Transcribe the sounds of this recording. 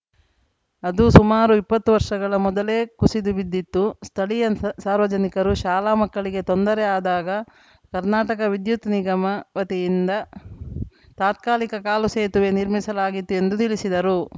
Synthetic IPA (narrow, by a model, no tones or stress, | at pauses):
ɐd̪usumaːɾuipːɐt̪ːuʋɐɾʂɐɡɐɭɐmɔd̪ɐle̞ːkusid̪uʋid̪ːit̪ːust̪ʰɐɭijɐsaːɾʋɐd͡ʒɐnikɐɾuʃaːlaːmɐkːɐɭiɡe̞t̪ond̪ɐɾɛaːd̪aːɡɐ | kɐɾnaːʈɐkɐʋid̪jut̪niɡɐmɐʋɐt̪ijind̪ɐ | t̪aːt̪̚kaːlikɐkaːluseːt̪uʋeniɾmisɐlaːɡit̪ːuend̪ut̪iɭisid̪ɐɾu